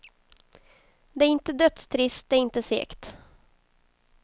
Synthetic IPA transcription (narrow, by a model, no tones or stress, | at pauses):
d̪ɛæɾɪnt̪əd̪œt̪st̪ʰɾɪst̪̚d̪ɛæɾɪnt̪əsḛːkt̪